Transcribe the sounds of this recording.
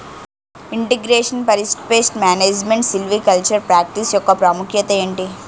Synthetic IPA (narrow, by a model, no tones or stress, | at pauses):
iɳʈeɡɾeːʂɐnpɐɾisʈpeːsʈmaːneːd͡ʒmeɳʈsilʋikɐlt͡ʃɐɾpɾaːk̚ʈisjɔkːɐpɾaːmukʰjɐt̪ɐeːɳʈi